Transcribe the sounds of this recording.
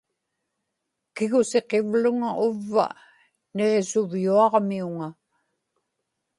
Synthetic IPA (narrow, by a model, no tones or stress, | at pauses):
kɪɣʊse̞qe̞vlʊŋaʔʊvːa̰ | ne̞ʁe̞sʊvjuɑʁmiuŋa